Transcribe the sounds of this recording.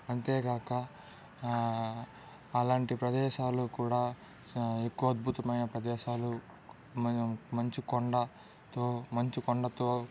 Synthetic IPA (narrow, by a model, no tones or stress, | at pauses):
ɐnt̪e̞ːɡaːkɐ | laːɳʈipɾɐd̪ɛːʃaːlukuːɽaː | e̞kːuʋɐd̪̚bʱut̪ɐmɐjnɐpɾɐd̪ɛːʃaːlu | mɐɲt͡ʃikɔɳɖɐ | t̪oːmɐɲt͡ʃikɔɳɖɐt̪oː